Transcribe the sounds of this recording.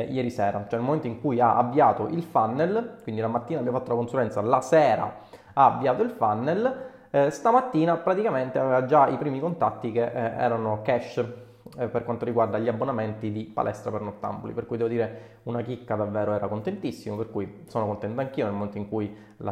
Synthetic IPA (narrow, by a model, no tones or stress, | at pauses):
jɛːɾisɛːɾat͡ʃoɛnelmoment̪oiŋkujaʔa̰bːjaːt̪oʔilfanːelkwind̪ilamat̪ːiːnabamfat̪ːolakonsuɾɛnt̪salasɛːɾa̰ | aːbːjaːt̪oilfanːel | st̪amat̪ːiːnapɾat̪ikament̪eavɛːvad͡ʒaipɾiːmikont̪at̪ːikeʔɛ̰ːɾanokɛʃ | perkwant̪oɾiɡward̪aʎiabːonament̪id̪ipa̰lʔɛst̪ɾapernort̪a̰mbolḭperkujd̪ɛvod̪iːɾe | unakikːad̪avːɛːɾoɛːɾakont̪ent̪isːimoperkujsoːnokont̪ɛnt̪aŋk̟iːonelmoment̪oiŋkuj | la̰